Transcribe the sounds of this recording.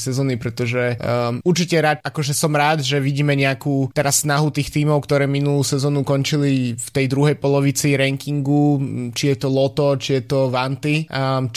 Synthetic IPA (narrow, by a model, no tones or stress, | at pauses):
sɛzɔːnipɾɛt̪ɔʒɛuɾt͡ʃicɛɾat̪akɔʒɛsɔmɾaːd̪ʒɛʋiɟiːmɛɲɛakuːt̪ɛɾasːnaɦut̪iːxt̪iːmɔʊkt̪ɔɾɛːminuluːsɛzɔːnukɔɲt͡ʃilift̪ɛjd̪ɾuɦɛjpɔlɔʋit͡siɾɛŋkiŋɡut͡ʃijɛt̪ɔlɔt̪ɔt͡ʃijɛt̪ɔʋant̪i